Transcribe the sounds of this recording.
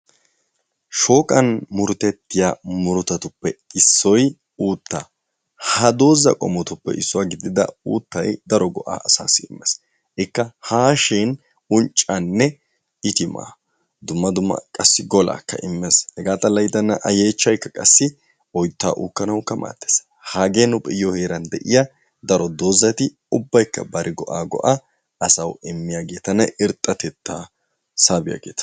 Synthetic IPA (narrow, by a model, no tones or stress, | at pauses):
ʃo̞ːkʼɐnmʊɾʊt̪ɛt̪ːɪjamʊɾʊt̪ɐt̪ʊpːɛɪsːɔj | uːt̪ːaː | hɐd̪o̞ːzɐ̰kʼɔmɔt̪ʊpːɛ̰ʔɪsːʊwaːɡɪd̪ɪd̪ɐ̰uːt̪ːɐjd̪ɐɾɔɡɔʔa̰ːʔɐsa̰ːsːɪɪmːɛs | ʔɪkːɐhaːʃin | ʊnt͡ʃʼːɐnːɛ | ɪt̪ɪma̰ː | d̪ʊmːɐd̪ʊmːɐ̰kʼɐsːɪɡɔla̰ːkːɐ̰ʔɪmːɛshɛɡaːt̪ʼɐlɐjd̪ɐnːɐʔɐjeːt͡ʃːɐjkːɐkʼɐsːɪ | ɔjt̪ːa̰ːʔuːkːɐnɐwkːɐma̰ːt̪ːe̥ːs | haːɡeːnʊpʼɪjɔheːɾɐnd̪ɛʔɪja | d̪ɐɾɔd̪oːzɐt̪ɪ | ʊbːɐjkːɐ̰bɐɾʔɪɡɔʔaːɡɔ̰ʔaː | ɐsɐwɪmːɪjaːɡe̞ːt̪ɐnɐʔɪɾt̪ʼːɐt̪ɛt̪ːaː | saːbɪja̰ːɡeːt̪ɐ̥